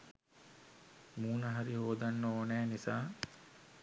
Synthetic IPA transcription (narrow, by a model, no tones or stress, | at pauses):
muːnɐɦaɾiɦoːd̪anːəoːnæːnisaː